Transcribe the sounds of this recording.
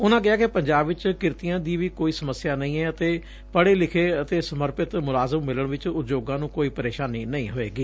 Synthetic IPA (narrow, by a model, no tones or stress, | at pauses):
ʊnãːkɪaːkɪpəɲd͡ʒaːbɪt͡ʃkɪɾt̪ijãːd̪iːʋiːkoːiːsəməsɪjaːnəĩːɛːət̪eː | pəɽeːlɪkʰeːət̪eːsəməɾpɪt̪mʊlaːzəmːɪləɳʋɪt͡ʃʊt̪d͡ʒoːɡãːnũːkoːiːpəɾeːʃaːniːnəĩːɦoːeːɡiː